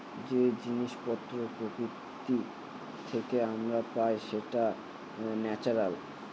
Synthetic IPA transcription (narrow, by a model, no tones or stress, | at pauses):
d͡ʑed͡ʑiniʃpɔt̪ːɾopɾoki | t̪i | t̪ʰekeamɾapajʃeʈa | nɛt͡ɕaɾal